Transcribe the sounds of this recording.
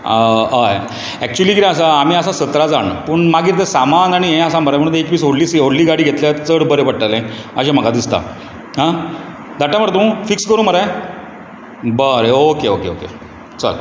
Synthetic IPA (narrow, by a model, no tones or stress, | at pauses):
əj | æk̚t͡ɕuəliːkiɾẽəs̬aːm̤iːəsasət̪ɾad͡zaɳpəːɳmaɡit̪t̪esamanaɽ̃iɦẽəsãməɾajm̤əɽ̃ũeekʋiːsoɽliːsɦoɽliːɡaɽiːɡʱet̪ljatt͡səɽbəɾepəɽ̚ʈalãəɕam̤əɡad̪ist̪a̰ | ɦã | d̪ʱaʈjaməɽt̪̬ũfikskəɾũːməɾaj | bəɾeokeokeo̰kḛ | t͡sɔ̰ɾ